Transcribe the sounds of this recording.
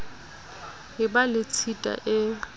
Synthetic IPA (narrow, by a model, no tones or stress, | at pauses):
ɦɪbalɪt͡sʰitʼa̰ʔɪ